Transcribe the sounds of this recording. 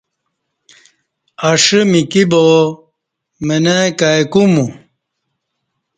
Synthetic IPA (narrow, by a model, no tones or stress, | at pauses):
ɐʂɨmikibo | menakajkumu